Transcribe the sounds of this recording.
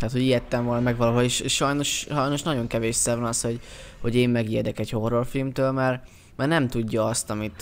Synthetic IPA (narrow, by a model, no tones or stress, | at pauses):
t̪æːt̪ho̞ɟijɛt̪ːɛɱvolɒmɛɡvɒloɦoeʃeːʃʃɒjno̞ʃʃɒjno̞ʃnɒɟo̞ŋkɛveːʃsɛvɒnɒsho̞ɟho̞ɟeːmːɛɡiɛd̪ɛkɛɟho̞ro̞rfilmt̪øːlmɛr | mɛrnɛmt̪uɟːɒɒst̪ɒmit̪